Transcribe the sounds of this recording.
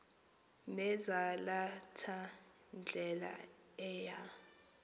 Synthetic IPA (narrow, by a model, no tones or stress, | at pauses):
nɛzalatʰa | nd͡ɮʱɛla̰ | ɛːja